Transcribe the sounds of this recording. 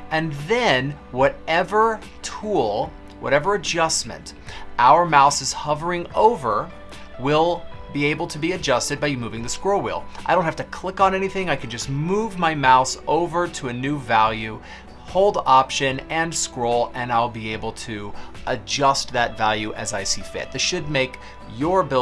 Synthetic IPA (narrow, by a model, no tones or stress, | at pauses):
ɨ̃nðɨ̃n | wʌɾɛvə˞ | tʰulˠ | wʌ̰ɾɛvə˞ɨd͡ʒʌsmɨ̰̃nt | aʊə˞maʊsɨz̥hʌvə˞ɪ̃ŋoʊvə˞ | wɪlˠbieɪbl̩ˠtʰɨbiɨd͡ʒʌstɨd̚baɪmuvɪ̃ŋðɨskɹoʊlˠwḭlˠaɪɾõʊ̃nthæftɨkʰl̥ɪkn̩ɛñiθɪ̃ŋaɪkʰɨ̃nd͡ʒʌstmuvmaɪmaʊsoʊvə˞ɾəɨnʉvælˠjʉ | hoʊlˠdɑpʃɨ̃nɨ̃nskɹoʊlˠɨ̃naɪlˠbieɪbl̩ˠtʰɨʔɨd͡ʒʌst̪̚ðɨtvælˠjʉʔɨzaɪsifɪ̰t̪̚ðɨʃɨd̚meɪk | jə˞bɪ